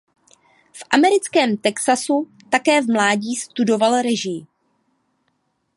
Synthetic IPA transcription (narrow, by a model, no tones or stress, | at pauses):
fʔamɛɾɪt͡skɛːmt̪ɛksasu | t̪akɛːvmlaːɟiːst̪udo̞valɾɛʒɪ